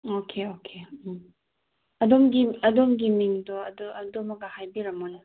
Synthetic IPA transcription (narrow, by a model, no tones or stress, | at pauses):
okʰeokʰem | ɐdomɡiɐdomɡimiŋdoɐdoɐdomɐɡɐhajbiɾɐmonɐ